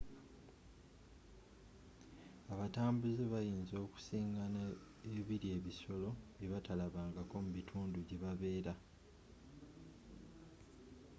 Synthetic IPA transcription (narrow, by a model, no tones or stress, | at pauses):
aβataːmbuzeβajiːnzo̞ːku̥siːŋɡana | eβiɾie̞ːβiso̞lo̞βjeβatalaβaːŋɡako̞muβitʰuːnduɟeβaβe̞ːɾa